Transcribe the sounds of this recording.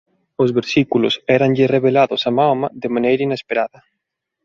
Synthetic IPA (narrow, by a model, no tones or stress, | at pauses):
ozβeɾsikulʊ̰sɛɾanʎɪreβelaðʊsamawmaðemãnejɾainespeɾaðɐ